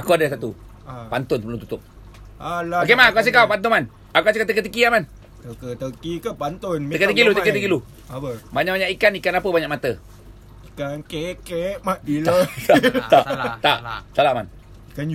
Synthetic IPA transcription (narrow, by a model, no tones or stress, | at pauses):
akuadəsat̪u | pant̪ʊnpəlumt̪u̥t̪ʊp̚ | alaokemaakuas̬əkawpant̪uman | akuasekat̪əkət̪əkiaman | t̪əkət̪əkikəpant̪onkət̪əkilut̪əkət̪əkilu | apəbaɲaʔbaɲaʔikanikanapəbaɲaʔ̚mat̪ə | ikankekeʔmadilət̪at̪aʔt̪aʔsalaʔman | ikan